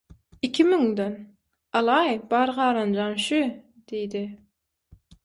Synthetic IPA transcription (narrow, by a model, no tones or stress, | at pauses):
ikʲʰimyŋd̪ɛn | ɑlˠɑjbɑɾʁɑːɾɑnd͡ʒɑnʃy | d̪̥ejd̪ɪ